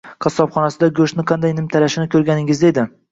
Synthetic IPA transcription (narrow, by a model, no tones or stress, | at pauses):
qʰɑsɒpχɒnasɪd̪aɡɵʃtnɪqʰɑnd̪ajnɪmt̪ʰaɾaʃɪnɪkʲʰɵɾɡʲanɪŋɪzd̪ed̪ɪ